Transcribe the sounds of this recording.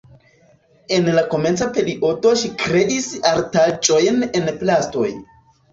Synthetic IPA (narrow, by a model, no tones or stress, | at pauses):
e̞nlako̞me̞nt͡sape̞liʔo̞to̞ʃikɾe̞ʔisaɾtat͡ʃʼo̞jne̞nplasto̞̰j